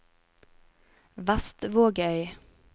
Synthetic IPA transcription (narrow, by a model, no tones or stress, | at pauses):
ʋɑst̪ʋoːɡœʏ